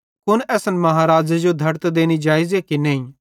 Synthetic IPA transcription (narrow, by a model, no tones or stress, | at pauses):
kʊnɛːsənmɐɦaɾaːd͡ʒed͡ʒod̪ʱɐɾt̪d̪eːnid͡ʒaːɪzekineɦĩ